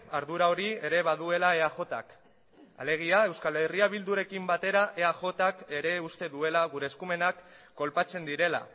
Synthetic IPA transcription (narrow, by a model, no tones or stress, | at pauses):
aɾðuɾao̞ɾie̞ɾe̞βaðue̞lae̞axo̞t̪a̰k | a̰le̞ɣ̞iae̞wskale̞riaβild̪uɾe̞kimbat̪e̞ɾaʔe̞axo̞t̪ake̞ɾe̞ust̪e̞ðue̞laɣuɾe̞ːskume̞nakːo̞lpat͡se̞nd̪iɾe̞la̰